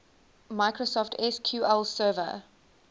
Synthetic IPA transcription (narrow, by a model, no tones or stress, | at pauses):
maɪkɹosɔftʰɛskʰjuːɛlsɜːvə̰